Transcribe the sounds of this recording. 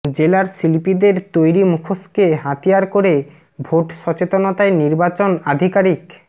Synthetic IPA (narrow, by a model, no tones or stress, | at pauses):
d͡ʑelaɾsilipid̪eɾt̪ojɾimukʰoskeɦat̪ijaɾkoɾe | bʱoʈʃɔt͡ɕet̪onot̪aeniɾbat͡ɕonad̪ʱikaɾik